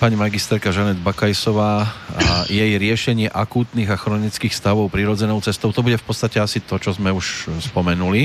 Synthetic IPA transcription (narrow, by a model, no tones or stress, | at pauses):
paɲimaɡist̪ɛɾkaʒanɛd̪bakajsɔʋaː | jɛjɾɪɛʃɛɲɪɛʔakuːt̪niːɣaxɾɔnit͡skiːxst̪aʋɔʊpɾiɾɔd͡zɛnɔʊt͡sɛst̪ɔʊt̪ɔbuɟɛfpɔtt͡sst̪acɛasit̪ɔt͡ʃɔzmɛuʃspɔmɛnuli